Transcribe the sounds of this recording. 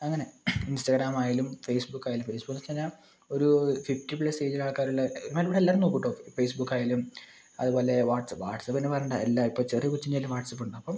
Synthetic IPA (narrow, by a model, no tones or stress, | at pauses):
ɐŋːɐne̞instɐɡraːmaːjalumfe̞ːsbukːaːjalumfeːsbukːnt͡ɕɐɲːaː | o̞ɾufiftipɭɐse̞ːd͡ʑilaːɭkːaːɾuɭːɐoɾumeːluʋiːɽelːaːɾnoːkːiʈːoːfeːsbukːaːjalum | ɐ̰ðubo̞ːle̞ʋaːʈsɐpʋaːʈsɐpːɐinːepɐrɐeːnːɳuɳɖa̰elːaipːoːt͡ɕeːriekut͡ɕːiɲːaːlːuʋaːʈsɐpːuɳɖɨɐpːɐm